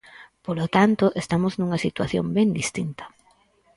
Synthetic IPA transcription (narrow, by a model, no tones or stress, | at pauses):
polot̪ant̪oʔest̪amoznuŋɐsit̪waθjo̰mbɛnd̪ist̪int̪ɐ̥